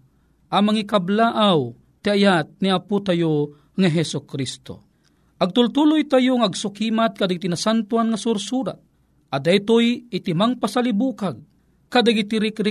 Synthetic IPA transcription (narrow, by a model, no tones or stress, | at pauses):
ʔamaŋikablaʔaw | t̪iajat̪̚niaput̪ajo | ŋaɦɛsʊkɾist̪o̰ | ʔaɡ̚t̪ʊlt̪ulʊjt̪ajoŋaɡsʊkiːmat̪̚kad̪aɡit̪inasant̪uanŋasʊɾsuɾa̰t̪̚ | ʔad̪ajt̪ojɪt̪imaŋpasalibuːkaɡ̚ | kad̪aɡit̪iɾɪkɾɪ